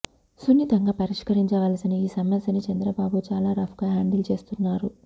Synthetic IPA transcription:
sunːit̪ɐŋɡaːpɐɾiʂkɐɾiɲt͡ʃɐʋaːlɐsiniiːsɐmʋɐsɐnit͡ʃɐnd̪ɾɐbaːbut͡ʃaːlaːɾɐfʰkaɦaːɳɖɐlt͡ʃe̞ːst̪unːaːɾu

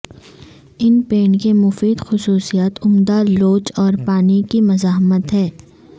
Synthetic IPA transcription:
ɪnpeːɳkemʊfiːd̪xʊsuːsijaːt̪ʊmd̪aloːt͡ʃɔːɾpaːnikimɐzaːɦmət̪ɦɛː

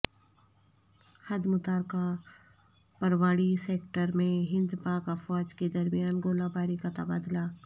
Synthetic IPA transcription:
hɐd̪mʊt̪aːɾka | pɐɾwaːɽiseːkʈəɾmẽɦɪ̃nd̪paːkafɔːd͡ʒked̪ɐɾmijaːnɡoːlabaːɾikat̪ɐbaːd̪laː

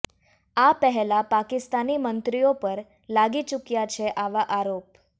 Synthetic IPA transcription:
apəɦɛlapakɪst̪animənt̪ɾijopəɾ | laɡit͡ʃukjat͡ʃʰeʔaʋaʔaɾop

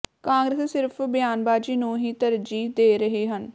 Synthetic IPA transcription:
kãːŋɡɾeːssɪɾpʰbɪjaːnbaːd͡ʒiːnũːɦiːt̪əɾd͡ʒiːd̪eːɾəɦeːɦən

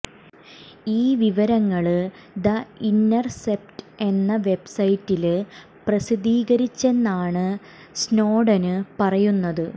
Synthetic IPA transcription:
iːʋiʋɐɾɐŋːɐɭ | d̪ɐinːɐrsep̚tɨe̞nːɐʋe̞bsɐjitːil | prɐsid̪iːɣɐɾit͡ɕːe̞nːaːɳɨ | sno̞ːɖɐnɨpɐrɐjunːɐðɨ

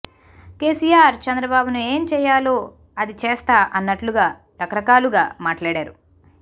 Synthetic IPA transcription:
ke̞ːsijaːɾt͡ʃɐnd̪ɾɐbaːbunue̞ːmt͡ʃɛːjaːlo̞ː | ɐd̪it͡ʃeːst̪aːʔɐnːɐʈluɡaː | ɾɐkɐɾɐkaːluɡaːmaːʈlaːɽaːɾu

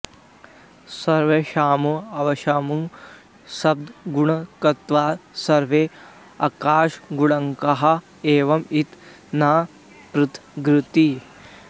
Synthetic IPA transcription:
sɐɾʋeʃaːmuɐʋɐʃaːmu | sɐb̚d̪ɡuɳɐkɐt̪ʋaːsɐɾʋeː | ɐkaːʃɡuɽɐŋkɐɦɐ̆ | eːʋɐmit̪ | naː | pɾut̪ʰɡɾɪt̪i

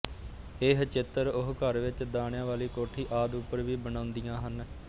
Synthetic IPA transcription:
eːɦt͡ʃɪt̪ːəɾʊɦkəɾʋɪt͡ʃd̪aːɳjãːʋaːliːkoːʈʰiːʔaːd̪upːəɾʋiːbənãːʊnd̪ijãːɦən

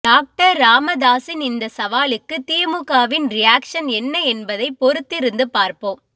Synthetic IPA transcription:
ɖaːk̚ʈɐɾːaːmɐd̪aːsɪnɪnd̪ɐsɐʋaːlɯkːɯt̪ɪjɐmʊkaːʋɪnɾɪjaːkʂɐnɛnːɐɛnbɐðɐɪpɔɾɯt̪ːɪɾɯnd̪ɯpaːɾpoːm

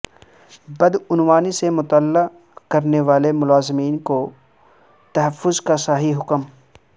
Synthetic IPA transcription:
bɐd̪ʊnwaːnisemʊt̪əlːa | kɐɾneʋaːlemʊlaːzɪmiːnko | t̪ɐɦəfːʊzkasaːɦiɦʊkəm

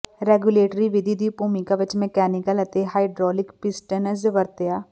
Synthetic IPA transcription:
ɾeːɡjuleːʈəɾiʋɪd̪ʱid̪ʱibʱuːmikaʋɪt͡ʃmẽkɛːnɪkəlɐt̪eɦaːɪɖɾɔːlɪkpɪsʈənəzʋəɾt̪ejaː

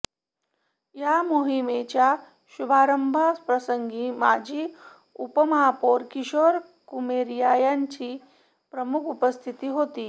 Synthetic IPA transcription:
jamoɦimet͡ɕja | ɕubʱaːɾəmbʱaspɾəsəŋɡiːma̰d͡ʑʱiː | upəmapoɾkiɕoɾ | kumeɾjajant͡ɕiː | pɾəmukʰupəst̪ʰit̪iːɦot̪iː

